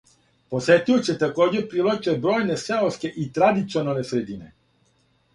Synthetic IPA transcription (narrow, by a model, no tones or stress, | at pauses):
poset̪ujut͡ɕɛt̪akoːd͡ʑɛɾpɾilˠot͡ʃɛbɾojnesɛoskeʔit̪ɾad̪it̪sionalnesɾed̪inɛ